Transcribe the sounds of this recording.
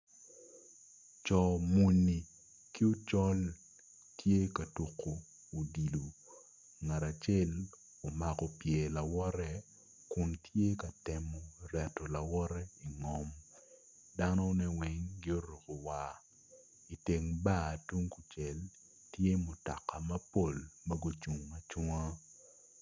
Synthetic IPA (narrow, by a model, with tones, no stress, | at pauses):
t͡ʃɔ˨mu˨ni˨ | ki˦o˦t͡ʃɔ˦l | tʰje˦ka˨tu˨kʰoː˨ | di˨lo˨ | ŋa˨ɾa˨t͡ʃɛ˦l | o˨ma˨kɔ˨pjɛ˨la˨wɔ˦ɾɛ˦ | kʊ˨ntje˦ka˨tɛ˨mo˨rɛ˨tːɔ˨la˨wɔ˦ɾɛ˦i˨ŋɔ˦m | da˦nɔ˦nɛ˦wɛ˦ŋɡɪ˦o˦ɾo˨ko˨wa˨ | i˨te˨ŋba˦˨tu˦ŋku˨t͡ʃe˨l | tje˦mʊ˨ta˨ka˨mɐ˦po˦˨lmɐ˦ɡo˦t͡ʃu˨ŋmɐ˨t͡ʃɔ˦ŋa˦